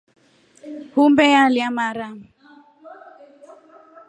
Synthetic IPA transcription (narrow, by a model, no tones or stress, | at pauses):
humbɛjaliamaɾa